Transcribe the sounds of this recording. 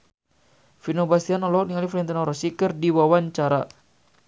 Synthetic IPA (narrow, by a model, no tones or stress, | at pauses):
finobast̪ianɔlɔɔk̚niŋaliflɛnt̪anɔɾɔsikərdiwawaɲt͡ʃaɾa̰